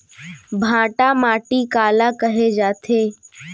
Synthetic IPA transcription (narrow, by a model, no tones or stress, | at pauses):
bʱãːʈamaːʈikaːlakəɦed͡ʒaːt̪ʰeː